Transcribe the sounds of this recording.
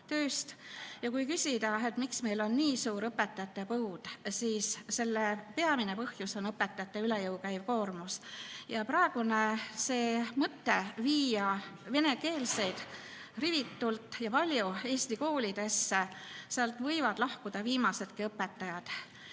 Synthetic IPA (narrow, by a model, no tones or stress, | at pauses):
t̪øːst̪jɑkujkysʲid̪̥ɑe̞t̪miksme̞jlo̞nniːsuːɾɤpːet̪ːˑɑjɑt̪ːˑe̞puud̪̥siːsse̞lːepeɑmine̞pɤhjuso̞nɤpːe̞t̪ːˑɑjɑt̪ːˑe̞ylejɤwkæjvko̞ːrmusjɑpɾɑeɡ̥une̞se̞ːmɤt̪ːe̞viːjɑve̞ne̞ke̞ːlse̞jd̪̥ | rivit̪ːult̪ːˑjɑpɑlʲjue̞ːsʲt̪iko̞ːlʲid̪̥e̞sːeseɑlt̪ːˑvɤ̞jvɑd̪̥lɑhkud̪̥ɑviːmɑse̞d̪̥kiɤpːe̞t̪ːˑɑjɑd̪̥